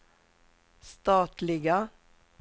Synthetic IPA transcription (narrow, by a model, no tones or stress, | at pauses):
st̪ɑːt̪lɪɡə